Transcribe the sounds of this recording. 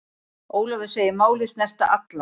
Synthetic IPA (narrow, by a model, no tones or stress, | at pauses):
oːwlɔvɛ̥seːjɪmaːwlɪsnɛst̪aʔat̪la